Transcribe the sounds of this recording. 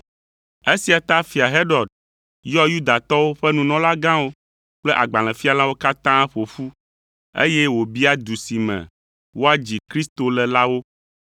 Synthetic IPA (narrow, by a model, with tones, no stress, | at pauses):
e˦si˨a˨t̪a˦fi˨a˨ɦe˦ɖɔ˨d̚ | jɔ˦ju˦d̪a˨t̪ɔ˦wo˦ɸɛ˦nũ˨nɔ̃˨˦la˦ɡã˦wo˦ | k͡plɛ˦ʔa˨ɡ͡ba˨l̃ɛ̃˨fi˦a˨lã˦wo˦ka˦t̪ã˦ɸo˨fu˦ | ḛ˦jɛ˦wo˨bi˦a˦d̪u˨si˨mɛ̰̃˨ | wo˦a˦d͡ʑi˨kɾi˦st̪o˨lɛ˨la˦wo˦